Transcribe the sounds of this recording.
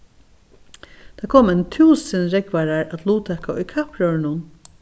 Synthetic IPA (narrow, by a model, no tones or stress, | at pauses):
t̪ʰakʰoːmant̪ʰuːsənɾɛkʋaɾaɹat̪luːt̪ʰɛkaʊjkʰapɹœɹnʊn